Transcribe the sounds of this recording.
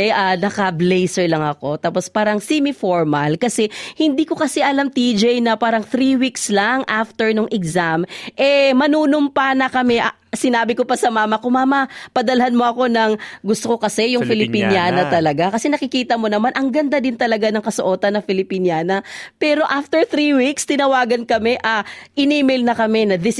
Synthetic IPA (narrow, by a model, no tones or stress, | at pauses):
ʔɛʔanɐkɐblɛjsɛɹlɐŋɐko̞t̪aːpo̞spaːɾɐŋsɛmifoɹmɐlkɐsɛhɪnd̪iːko̞kɐsɛʔɐlamt̪id͡ʒɛjnɐpaːɾɐŋθɾiwikslaŋʔaft̪ɛɹnoŋʔɛɡsamʔɛmɐnuːnompɐnɐkɐmɛʔɐ | sɪnaːbɪkopɐsɐmaːmɐkomaːmɐpɐd̪ɐlɐhanmo̞ʔɐko̞nɐŋɡʊst̪oko̞kɐsɛjʊŋfɪlɪppinjaːnɐt̪ɐlɐɡakɐsɛnɐkɪkiːt̪ɐmo̞nɐmanʔɐŋɡɐnd̪ad̪ɪnt̪ɐlɐɡanɐŋkɐsoʔo̞ːt̪ɐnːɐfɪlɪpinjaːnɐpɛːɾo̞ʔaft̪ɛɹθɾiwikst̪ɪnɐwaːɡɐnkɐmɛʔɐʔɪnimɛlnɐkɐmɛnɐd̪ɪs